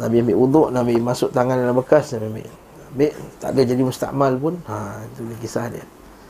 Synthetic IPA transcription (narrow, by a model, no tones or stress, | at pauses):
nabimbɪʔud̪ʊʔnabiʔmasʊʔt̪aŋandalabəkasnabimbɪ̰ʔ | ambɪʔt̪a̰ʔdahd͡ʒadimust̪a̰ʔmalpʊnait̪udikisahdiə